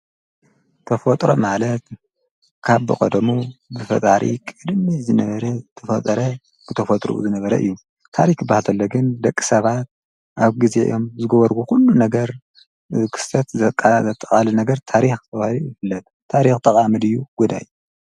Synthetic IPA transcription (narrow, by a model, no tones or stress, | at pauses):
t̪ʰɐfot̪ʼɾo̰malɐt̪ | kʰaβbɨkʼɐd̪ɐmuzɨfɐ̰t̪ʼaɾḭkʼɨd̪mizɨnɐβɐɾɐt̪ʰɐfɐt̪ʼɐɾɐ | b̥ɨt̪ʰɐfot̪ʼɾṵzɨnɐβɐɾɐ̰ʔɨ̰jːu | t̪ʰa̰ɾikbahat̪ʰɐlːɐɡɨnd̪ɐkʼːi̥sɐβat̪̚ | ʔaβɡize̞̰ʔɨ̰jo̞mzɨɡɐβɐɾɡukulːunɐɡɐɾ | kʰɨ̥sɐt̪zɐkʼːazɐt̪ʼːɐχʼalɨnɐɡɐɾt̪ʰaɾixt̪ʰɐβahlijɨfɨlːɐt̪ʰːaɾixt̪ʼɐkʼamɨd̪ɨjːuɡ̥ud̪aj